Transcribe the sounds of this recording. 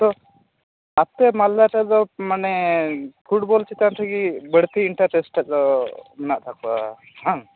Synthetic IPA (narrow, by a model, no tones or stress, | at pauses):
t̪ɔ | at̪ɛmalːaʈɛd̪ɔmanɛpʰuʈbɔlt͡ʃit̪anʈʰəɡibəɽt̪iiɳʈaɾʈɛsʈɛt͡ʃɔmɛnaʔt̪ʰakua | ɦã